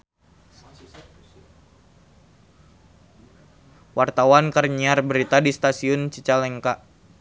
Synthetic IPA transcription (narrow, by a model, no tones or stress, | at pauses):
wart̪awankərɲiarbəɾit̪adist̪asiʊnt͡ʃit͡ʃalɛŋkaʔ